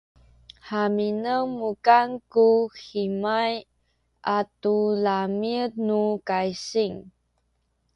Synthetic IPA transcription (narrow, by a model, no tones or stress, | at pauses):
haminəwmukankuximaj | ʔatulamit̚nukajsiŋ